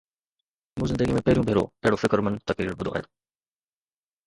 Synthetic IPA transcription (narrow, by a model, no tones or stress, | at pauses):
mũːzɪnd̪əɡimẽpɐɦɪɾiũbʱeːɾo̰ɛɦɪɽofɪkɾmɐnt̪ɐkɾiːɾbʊd̪ʱo̰a̰ːj̰